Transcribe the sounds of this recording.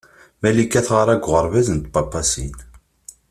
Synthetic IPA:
mælikːæθʁaɾˤæɡʷʁəɾˤvæzənt̪̚bɑpːɑsin

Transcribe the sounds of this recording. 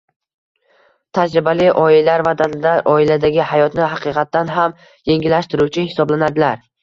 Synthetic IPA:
t̪ʰad͡ʒɾɪbalɪʔɒɪlaɾvad̪ad̪aʔɒɪlad̪aɡʲɪhajɒt̪nɪɦɑqʰɨqʰɑt̪ːanɦam | je̞ŋɡʲɪlːaʃt̪ɪɾut͡ʃʰɪhɪ̥sɒblanad̪ɪlaɾ

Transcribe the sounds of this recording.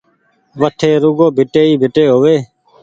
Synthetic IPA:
ʋəʈʰeːɾuɡoːbʱɪʈeːiːbʱɪʈeːɦoːʋeː

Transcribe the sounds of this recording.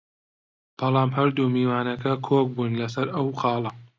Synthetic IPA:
b̥ɑlˠɑːmhɐɾd̪umiːwaːnɐkʰɐkʰoːk̚buːnlɐsɐɾɐwqɑːlˠɐ

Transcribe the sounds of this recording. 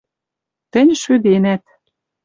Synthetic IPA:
t̪ə̆nʲʃyd̪enæt̪

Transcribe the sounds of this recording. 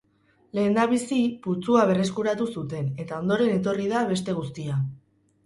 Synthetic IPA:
le̞ːnd̪aβ̞isiput͡suaβe̞re̞skuɾat̪usut̪e̞ne̞t̪ao̞nd̪o̞ɾe̞ne̞t̪o̞riðaβe̞s̬t̪e̞ɣ̞ust̪ia

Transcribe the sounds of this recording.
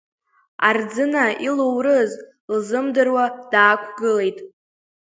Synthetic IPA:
ard͡zɨnailowrɨz | lzɨmdɨrwad̥aːkʷʰɡɨle̞jtʼ

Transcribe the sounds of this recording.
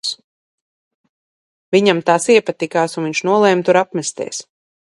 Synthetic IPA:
s | viɲamt̪aːsiɛpat̪ːikaːsunviɲʃnuɔlˠɛːmt̪uɾapmɛst̪ɛ̰ɛs

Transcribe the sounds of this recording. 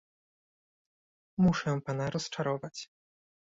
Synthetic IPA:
muʂɛpanaɾɔst͡ʂaɾɔvat͡ɕ

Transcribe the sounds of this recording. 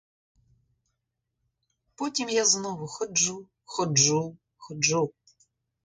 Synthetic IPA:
pɔtʲimjaznɔʋʊxɔd͡ʒu | xɔd͡ʒu | xɔd͡ʒu

